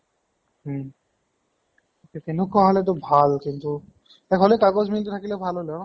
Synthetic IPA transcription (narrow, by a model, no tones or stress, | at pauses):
kekenukɔɦalet̪ɔbʱalkint̪u | ɛkʰɦolekaɡosmilt̪ut̪ʰakilebʱalɦoleɔ